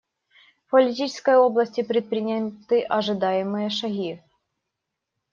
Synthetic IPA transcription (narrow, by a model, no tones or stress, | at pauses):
fpɐlʲɪt̪ʲit͡ʃɪ̥skɐjoblˠɐsʲtʲɪpɾʲɪt̪̚pɾʲɪnʲat̪ɨʔɐʐɨd̪ajɪmɨjəʂɐɣʲi